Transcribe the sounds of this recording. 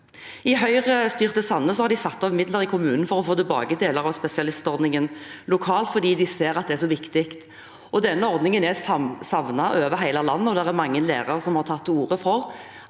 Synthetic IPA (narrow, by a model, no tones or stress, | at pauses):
ɪɦœʏʁəst̪yːʁt̪əsɑnːəsɔhɑɾd̪ɪsɑt̪ːɔʋəmɪd̪ləʁɪkʰʊmʉːnn̩fɔɾɔfoːt̪ʰɪlbɑ̰ːɡəd̪eːləʁɑʋspɛsɪɑlɪst̪ɔɾd̪nɪŋənlʊkʰɑːlt̪fɔɾd̪iːd̪ɪseːɾɑt̪̚d̪ɛæʂɔʋɪkt̪ɪkt̪ | ɔd̪ɛnːəɔɾd̪nɪŋənɛsɑsɑʋnɑʔøːʋəɦæɪlɑlɑnːəɔd̪æʁæɾmɑŋːənlḛːʁɑʁsɔmhɑʁt̪ʰɑt̪ːuːʁəfɔʁ